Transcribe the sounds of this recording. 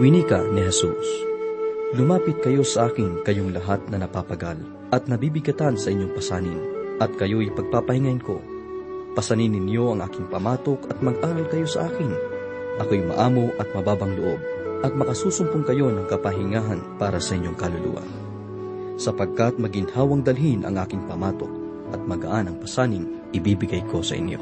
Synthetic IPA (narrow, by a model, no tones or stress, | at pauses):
winikɐnɪɦɛsṵs | lʊmaːpɪt̪̚kɐjo̞sɐʔaːkɪnkɐjo̞ŋlɐɦat̪̚nɐnɐpapɐɡal | ʔɐt̪̚nɐbibɪɡɐt̪ansɐʔɪɲjo̞ŋpɐsaːnɪnʔɐt̪̚kɐjo̞jpɐɡ̚papɐhɪŋainko̞̰ | pɐsɐninɪnjo̞ʔɐŋʔa̰ːkɪŋpɐmaːt̪o̞kɐt̪̚mɐɡʔaːɾɐlkɐjo̞sɐ̰ʔaːkɪn | ʔɐkojmɐ̰ʔaːmo̞ʔɐt̪̚mɐbaːbɐŋloʔo̞̰b̚ʔɐt̪̚mɐkɐsuːsʊmpʊŋkɐjo̞nɐŋkɐpɐɦɪŋaːɦɐnpaːɾɐsɐʔɪɲjo̞ŋkɐlʊlṵːʔɐ̰n | sɐpɐɡ̚kɐt̪̚mɐɡinhaːwɐŋd̪ɐlɦinʔɐ̰ŋʔaːkɪŋpɐmaːt̪o̞̰k̚ | ʔɐt̪̚mɐɡɐʔanɐŋpɐsaːnɪŋ | ʔɪbiːbɪɡajkʰo̞sɐ̰ʔɪ̰njo̞̰